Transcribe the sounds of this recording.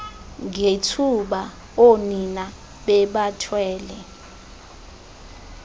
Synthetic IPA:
ŋetʰuɓa | onina | ɓɛɓatʰwɛːlɛ

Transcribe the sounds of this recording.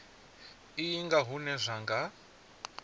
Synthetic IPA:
ijiŋɡaɦunɛʐʷaŋɡa

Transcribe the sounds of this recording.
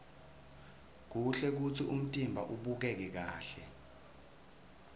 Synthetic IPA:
k̬uɬɛk̬ut͡sʰiʔum̩tʼimbʱaʔuɓuk̬ɛk̬ɛk̬aːɬɛ

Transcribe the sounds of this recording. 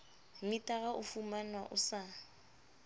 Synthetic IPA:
mitʼaɣaʔʊfumanwaʔʊsa

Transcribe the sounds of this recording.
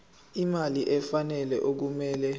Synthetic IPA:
imaliʔɛfanɛlɛʔok̬umɛːlɛ

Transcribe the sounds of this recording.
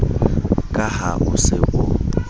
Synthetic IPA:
kʼaha̰ʔʊsɪʔʊ

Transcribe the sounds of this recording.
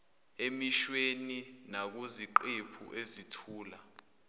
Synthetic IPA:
emiʃweninak̬uziǃepʰṵʔezitʰuːla

